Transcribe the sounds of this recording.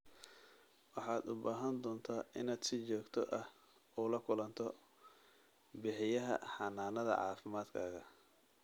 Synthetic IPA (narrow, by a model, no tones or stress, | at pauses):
wɑħɑːd̪ʊbaːɦɐnd̪ɔːnt̪ʰaːʔɪnaːd̪sɪt͡ʃɔːɡt̪ʰɔʔɐh | uːlɐkʰʊlɐnt̪ʰɔ | bɪħɪjɐɦɐ̰ħɑnaːnɐðɐ̰ʕɑ̰ːfɪmaːd̪kʰaːɣɐ